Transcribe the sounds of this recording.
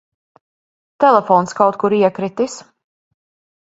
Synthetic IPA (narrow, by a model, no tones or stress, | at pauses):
t̪ɛlˠɛfɔːnskawt̪̚kuɾiɛkɾit̪is